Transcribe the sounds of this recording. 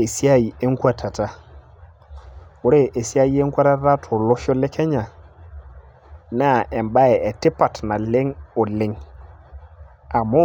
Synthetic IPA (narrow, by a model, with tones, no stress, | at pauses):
e˨si˦a˦i˨e˦ŋ˦kwa˦tʰa˨ta˦ | wo˦ɾe˦ʔe˨si˦a˦ji˦e˦ŋ˦kwa˦ɾa˦ɾa˦tʰo˨lɔ˦ʃo˦le˦ke˦ɲa˨ | na˦˨e˨mba˦ɛ˨e˨tɪ˦pa˨tna˨le˦ŋo˨le˨˦ŋ | a˨mo˦